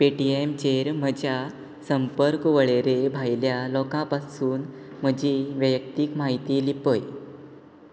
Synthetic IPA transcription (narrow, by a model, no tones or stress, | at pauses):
peʈiemt͡ɕeɾm̤əd͡ʑja | səmpəɾkʋəɭeɾebʱajljalɔkãpasuːn | m̤əd͡ʑiʋəjək̚t̪ikmaɦit̪iːlipəj